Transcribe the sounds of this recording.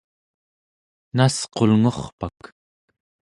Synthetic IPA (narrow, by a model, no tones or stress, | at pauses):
nasqo̞lŋo̞χpak